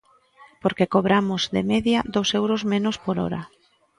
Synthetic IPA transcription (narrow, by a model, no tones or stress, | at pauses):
poɾkekoβɾamʊzðḛmeðjaðowsewɾozmẽnʊspoɾɔ̰ɾa̰